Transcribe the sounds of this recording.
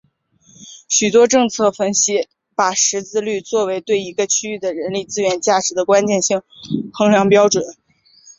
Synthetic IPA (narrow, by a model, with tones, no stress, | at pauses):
ɕy˨˩t̪wɔ˥ʈ͡ʂɤ˥˧ŋt͡sʰɤ˥˩fə˥nɕi˥ | pa˨˩ʂɻ̩˧˥t͡sɹ̩˥˧ly˥˧t͡swɔ˥˩we˧˥ɪt̪we˥˩ɪi˧˥ɡə˧t͡ɕʰy˥y˥˩d̪ə˩ɻə˧˥nli˥˩t͡sɹ̩˥ɥɛ˥˩nt͡ɕja˥˩ʈ͡ʂɻ̩˧˥d̪ə˧kwa˥nt͡ɕjɛ˥˧nɕi˥˩ŋxʰɤ˧˥ŋljɑ˧˥ŋpjɑ˥ʊʈ͡ʂwə˨˩˦n